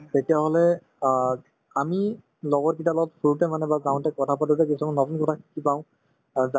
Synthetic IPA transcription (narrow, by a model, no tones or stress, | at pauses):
tetijaɦɔlɛ | ami | lɔɡɔt̚kitalɔɡɔtpʰuutɛmanɛbazãʊ̃ntɛkɔtʰapatutɛkisɔmɔnɔtunkɔtʰakʰi̥kipãʊ̃ | za